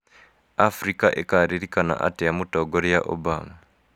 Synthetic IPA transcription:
afɾikaʔɛkaɾiɾikana̰ʔa̰tɛjamutɔɡɔɾijaʔɔ̰bama

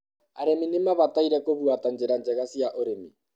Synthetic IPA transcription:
aɾeminemaβataiɾɛkoβwatand͡ʒeɾand͡ʒɛɣasiaʔoɾemi

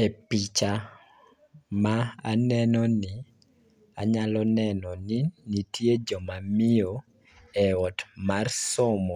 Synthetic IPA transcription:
epit͡ʃa | maanɛnɔnɪ | a̰ɲalɔnɛnɔninitjed͡ʒɔmamɪo | ɛɔtmarsɔmɔ

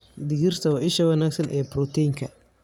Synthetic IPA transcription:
d̪ɪɣɪrt̪ʰɐwɑʔɪʃɐwɐnaːɡsɐnʔɛːbɾɔt̪ʰɛŋkʰɐ

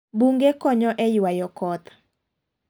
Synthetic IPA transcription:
buŋɡekɔɲɔʔɛjwajɔkɔt̪

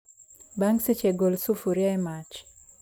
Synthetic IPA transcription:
baŋset͡ʃeɡolsufuɾjaɛmat͡ʃ

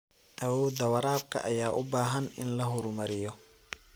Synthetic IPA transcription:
ʔɐwɔːd̪ɐwɐɾaːb̚kʰɐ̰ʔɐjaːʔʊbaːɦɐnɪ̰nlɐɦʊɾmɐɾɪjɔ

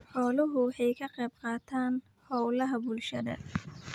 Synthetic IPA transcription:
ħɔːlʊɦʊwɑħɑjkʰɐqɛːbqɑːt̪ʰaːn | hɔwlɐɦɐbʊlʃɐðɐ̰

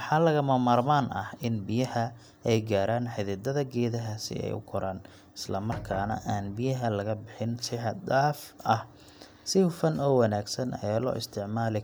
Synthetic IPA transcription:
wħɑːlɐɣɐmɐmaːrmaːnʔɐhɪnbɪjɐhɐ | ɛjɡaːɾaːnħɪðɪd̪ɐðɐɡɛːðɐɦɐsɪ̰ɛ̰jʊ̰kʰɔɾʔaːn | ɪslɐmɐrkʰaːnɐ̰ʔaːnbɪjɐɦɐlɐɣɐbɪħɪnsɪħɑd̪aːfʔɐh | sɪfɐnɔːwɑnaːɡsɐnʔɛlɔ̰ːʔɪst̪ʰɪʕmaːlɪ

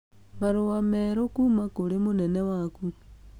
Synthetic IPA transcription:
maɾowameɾokumakoɾemonenewaku

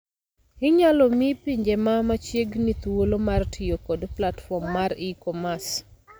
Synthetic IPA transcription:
ɪɲalɔmipiɲd͡ʒemamat͡ʃjeɡnit̪wwolomartʰɪjokodplatfɔmːaɾikɔmas

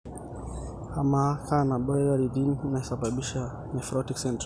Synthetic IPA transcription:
hamakʰanaɓɔɛɡaɾidininaɛsaɓaɓiʃa | mɛfɾɔtiksɛnt

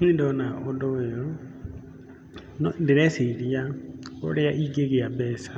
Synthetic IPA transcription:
indɔnaodoweɾɔ | nndeɾɛseiɾiao̰ɾeaʔiɡeɣeabɛsḁ

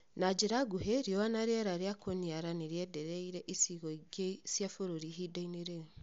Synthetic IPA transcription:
nad͡ʒeɾaɡuɦeɾjɔwanaɾɛɾaɾjakʰoniaɾaneɾiɛdɛɾɛiɾɛʔisiɣɔiɡesjafoɾoɾiɦidaineɾe

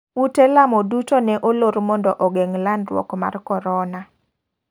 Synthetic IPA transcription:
utɛlamɔdutonɛʔoloɾmɔndɔʔɔɡɛŋlandrwɔ̰kma̰rkɔɾɔna

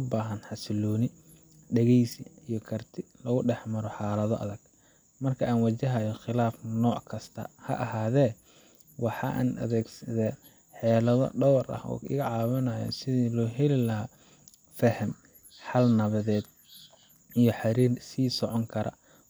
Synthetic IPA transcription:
baːɦɐnħɑsɪlɔːnɪ | ɖɐɣɛjsiijɔkʰɐrt̪ʰɪlɐɣʊɖɛħmɐɾɔħɑːlɐðɔʔɐ̰ðɐɡ̥ | mɐrkʰɐʔaːnwɐt͡ʃɐɦɐjɔxɪlaːfnɔːʕkʰɐst̪ʰɐ̰hɐ̰ʔɐɦaːðɛː | wɑħɑ̰ʔa̰ːnɐ̰ðɛːɡsɐðɛː | ħɛːlɐðɔ̰ɖɔwrʔɐ̰hɔ̰ːɪɣɐʕɑːwɐnɐjɔ̰sɪðilɔːɦɛlɪlɐɦa | fɐhɐm | ħɐlnɐβɐðɛːd̪̚ | ijɞħɑɾiːrsiːsɔʕɔŋkʰɐɾʔɐ̰

